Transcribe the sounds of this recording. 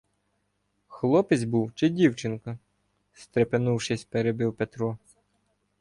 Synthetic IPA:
xlˠɔpɪzʲbuwt͡ʃɪdʲiwt͡ʃɪnkɐ | st̪ɾepenuwʃɪsʲpeɾebɪwpet̪ɾɔ

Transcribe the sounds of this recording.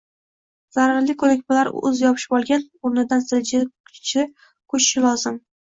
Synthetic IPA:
z̥aɾaɾlɪkʰɵlɪk̚ʲbɪlaɾʊ̰zjɒpʰɪ̥ʃbɒlˠɡʲan | ʊɾnɪd̪ansɪld͡ʒɪt͡ʃʰɪ | kʰʊt͡ʃʃɪlˠɒzɪm

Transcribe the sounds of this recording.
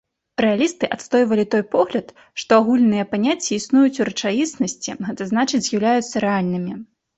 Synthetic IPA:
ɾɛalʲist̪ɨʔat̪st̪ɔjvɐlʲit̪ɔjpɔɣlʲɐt̪ | ʂt̪ɔaɣulʲnɨjɐpanʲat͡sʲːɛisnujut͡sʲuɾɐt͡ʂajisnɐsʲt͡sʲḭɣɛt̪ɐzn̪at͡ʂɨd͡zʲzʲjɐwlʲajut̪sːɐɾɛalʲnɨmʲi

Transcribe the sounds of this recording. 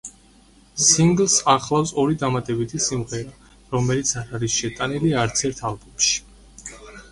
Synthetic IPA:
siŋɡlˠsaχlˠafsɔɾid̪amat̪ʼɛbit̪ʰisimʁɛɾa | ɾɔmɛlit̪sʰaɾaɾisʃɛt̪ʼaniliaɾt̪sʰɛɾt̪ʰalˠbɔmʃi̥

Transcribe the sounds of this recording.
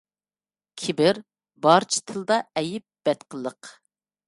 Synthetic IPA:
kʲʰɪbɪɾ | bɑɾt͡ʃʰi̥t̪ʰɨlˠd̪ɑɛjɪp̚b̥ɛt̪qʰəlˠəq

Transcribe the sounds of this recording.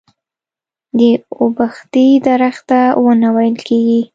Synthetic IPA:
d̪əobaxt̪ijd̪aɾaxt̪awənawajəlkeɡi

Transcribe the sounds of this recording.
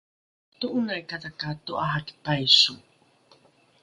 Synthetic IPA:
tuʔunajkatakatuʔaɦaki̥pajsu

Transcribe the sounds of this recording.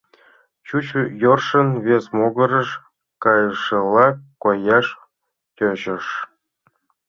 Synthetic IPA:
t͡ɕut͡ɕjorʂə̆nvʲesmoɡɤ̆ɾə̆ʂ | kɑjʂɤlˠɑkojɑʂ | kʲøʑə̆ʂ

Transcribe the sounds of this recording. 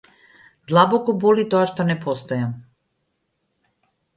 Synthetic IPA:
d̪lˠabɔkɔbɔlit̪ɔaʃt̪ɔnɛpɔst̪ɔjam

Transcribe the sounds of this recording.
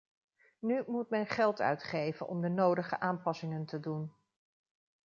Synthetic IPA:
nymut̚mɛnχɛlˠtœ̰ɥtχejvənʔɔ̰mdənowdəχə̰ʔaːmpɑsɪŋəntədun

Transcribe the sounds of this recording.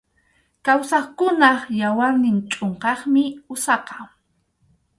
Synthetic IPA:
kawsɑχkʊnɑχjawaɾnɪnt͡ʃʼoɴqɑχmɪʊsɑqɑ̥

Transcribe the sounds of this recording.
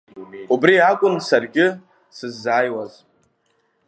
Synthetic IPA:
ubriakʷʼʊnsarɡʲɪ | sɨzːaːjwaz

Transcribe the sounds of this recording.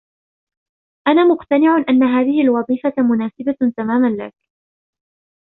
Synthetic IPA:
ʔanaːmʊqt̪anɪʕʊnʔanːaɦaːðɪhɪʔlwɑðˤiːfamʊnaːsɪbat̪amaːmanla̰k

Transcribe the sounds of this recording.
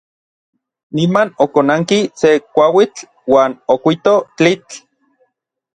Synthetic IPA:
nimanokonaŋkisekʷawit͡ɬ | waːnokʷit̪ot͡ɬit͡ɬ

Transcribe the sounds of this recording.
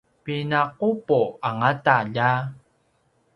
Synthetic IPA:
pinaqupoaŋataʎa

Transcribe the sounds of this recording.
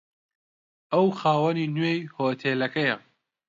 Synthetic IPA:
ɐwxaːwɐninwejhoːt̪ʰeːlɐkɐjɐ

